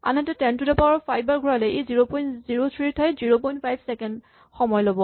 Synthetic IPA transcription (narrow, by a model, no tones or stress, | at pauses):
a̰nɛtɛtɛntudɛpaɹɔpʰajbʱaɹɡʱɔɹalɛʔejziɹopɔjnziɹotʰɹitʰajziɹopɔjntpʰajbsɛkɛnd | xɔmɔjlobɔ